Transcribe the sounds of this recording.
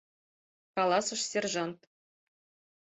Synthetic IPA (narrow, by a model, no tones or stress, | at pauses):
kɑlˠɑsɤ̆ʂsʲerʐɑnt̪